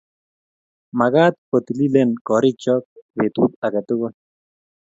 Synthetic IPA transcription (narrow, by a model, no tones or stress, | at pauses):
maɣat̪̚pət̪ililenkɔɾit͡ʃɔk̚bet̪ut̪aket̪uɣon